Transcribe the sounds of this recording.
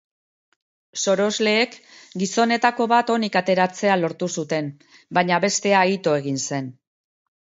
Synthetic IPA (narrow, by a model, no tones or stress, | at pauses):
so̞ɾo̞zle̞ːkɡiso̞ne̞t̪ako̞βat̪o̞nikat̪e̞ɾat͡se̞alo̞ɾt̪usut̪e̞n | baɲaβe̞st̪e̞ait̪o̞e̞ɣ̞inse̞n